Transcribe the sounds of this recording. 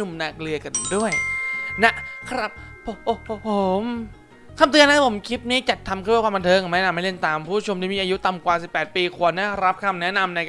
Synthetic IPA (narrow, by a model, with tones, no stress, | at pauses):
u˧mnaː˧˩k̚lɯ˧ɐka˧ndu˥˩əjna˦˥ʔkʰɾa˦˥p̚ | pʰo˨˩˦pʰo˨˩˦m | kʰa˧mt̪̬ɯ˧na˦˥t̪ʰa˧pʰo˩˦mkʰi˦˥p̪̚niː˦˥˩t͡ɕa˨˩t̪ʰːa˧mkʰːwaː˥˩kwaː˧nt̪ʰɤː˧ŋa˨˩mɛ˦˥na˧mːa˥˩le˥˩nt̪aː˨˧mpʰuː˥˩t͡ɕʰo˧mt̪iː˦˩iː˧ʔaː˧ju˦˥t̪a˨˩mkwaː˨˩si˨˩pːɛː˨˩t̪̚piː˧kʰu˨˩ənːa˦˥˩ɾa˦˥p̚kʰa˧mnɛ˦˥na˧mna˧j